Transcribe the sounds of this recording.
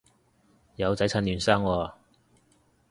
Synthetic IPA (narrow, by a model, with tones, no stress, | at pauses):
jɐ˨˧wt͡sɐ˨˥jt͡sʰa˧nlyː˨˩nsaː˥ŋwɔː˧